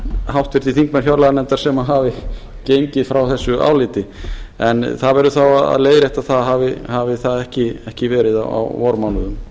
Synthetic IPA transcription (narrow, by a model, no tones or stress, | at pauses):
hawht̪vɪɾ̥t̪ʰiθiŋkmɛɾ̥çjawɾlaɣnɛnt̪aɾ̥sɛmaɦavɪ | cejɲcɪðfɾawθɛsːʏʔa̰ːwlɪːt̪ɪɛnθaðvɛɾʏθawaða̰ðleːjðɾɛht̪aðθaðɦavɪhavɪθaðɛhcɪɛhcɪvɛːɾɪða̰wa̰wvɔɾmawnʏðʏm